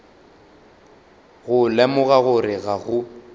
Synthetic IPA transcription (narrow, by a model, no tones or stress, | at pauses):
ɣʊlɛmʊɣaɣʊɾɪɣaɣʊ